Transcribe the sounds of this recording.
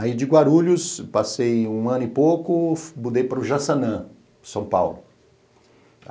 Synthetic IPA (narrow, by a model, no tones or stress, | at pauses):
aid͡ʒɪɡwaɾuʎʊspasejũɐ̃nʊɪpowkʊbud̪ejpaɾʊʒasɐnɐ̃ | sɐ̃w̃pa̰wlʊ